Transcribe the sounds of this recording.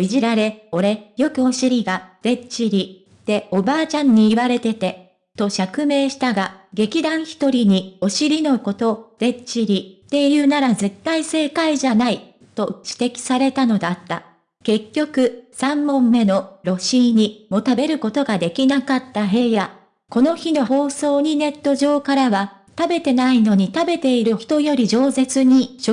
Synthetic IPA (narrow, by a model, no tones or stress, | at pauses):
iʑiɾaɾe̞o̞ɾe̞jo̞kɯ̟o̞ɕiɾʲiɡad̥̪e̞t͡ɕiɾʲi | t̪e̞o̞baːt͡ɕãɲ̟ːiːβaɾe̞t̪e̞t̪e̞ | t̪o̞ɕakɯ̟me̞ːɕi̥t̪aɡaɡe̞kʲid̪ãɰ̃çi̥t̪o̞ɾʲiɲ̟io̞ɕiɾʲino̞ko̞t̪o̞d̥̪e̞t͡ɕiɾʲit̪e̞jɯ̟ːnaɾaze̞t̪ːaise̞ːkaiʑanai | t̪o̞ɕi̥t̪e̞kʲi̥saɾe̞t̪ano̞d̪at̪ːa̰ | ke̞kʲːo̞kɯ̟sãmːõ̞mːe̞no̞ɾo̞ɕiɲ̟imo̞t̪abe̞ɾɯ̟ko̞t̪o̞ɡad̪e̞kʲinakat̪ːaɦe̞ːja | ko̞no̞çino̞ɦo̞ːso̞ːɲ̟ine̞t̪ːo̞ʑo̞ːkaɾaβa | t̪abe̞t̪e̞naino̞ɲ̟it̪abe̞t̪e̞iɾɯçi̥t̪o̞jo̞ɾʲiʑo̞ːze̞t͡sɨɲ̟iɕo